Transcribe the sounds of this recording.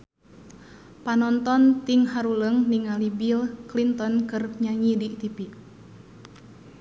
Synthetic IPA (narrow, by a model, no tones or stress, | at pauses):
panɔnt̪ɔnt̪iŋɦaɾuləŋniŋalibilklint̪ɔnkɨrɲaɲidit̪ipi